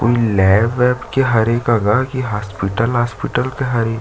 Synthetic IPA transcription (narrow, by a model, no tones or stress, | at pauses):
ko̰ːilɛːʋɛːbkeɦɐɾeːkaɡakiɦaːspiʈəlɦaːspɪʈəlkeɦɐɾeːk